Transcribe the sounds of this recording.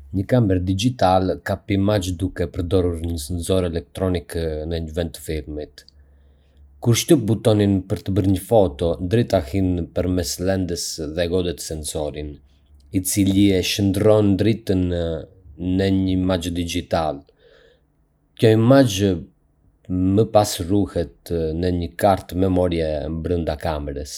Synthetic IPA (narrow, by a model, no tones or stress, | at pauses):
ɲəkambɛɾd̪id͡ʒit̪alkapimad͡ʒd̪ukɛpəɾd̪ɔɾuɾɲəsɛnsɔɾɛlɛk̚t̪ɾɔniknəɲəvɛnt̪ːə̥fiɾmit̪ | kuɾʃt̪əbut̪ɔninpəɾt̪əbəɾɲəfɔt̪ɔnd̪ɾit̪ahinpəɾmɛslɛnd̪əsðɛɡɔd̪ɛt̪ə̥sɛnsɔɾin | it͡siliɛʃənd̪ɾɔnd̪ɾit̪ənː | əɲəmad͡ʒd̪id͡ʒit̪al | cɔjmad͡ʒə | məpasruhɛt̪nəɲəkaɾt̪mɛmɔɾjɛbɾənd̪akamɛɾəs